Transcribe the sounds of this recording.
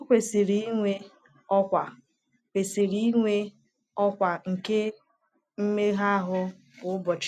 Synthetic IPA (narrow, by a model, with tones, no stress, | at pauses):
o˦kʷe˨si˨ɾi˦i˦ŋʷe˦ | ɔ˦kʷa˨ | kʷe˨si˨ɾi˦i˦ŋʷe˦ | ɔ˦kʷa˨ŋ̩˨ke˦ | m̩˦me˦ɦa˦a˦ɦʊ˦ | bʊ˨ʊ˦bɔ˨t͡ʃ